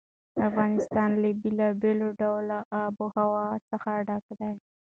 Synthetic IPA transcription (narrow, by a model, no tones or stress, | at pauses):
afɣɑnɪst̪ɑnlabɪlɑbeloɖawlaʔabohawɑsəxaɖakd̪aj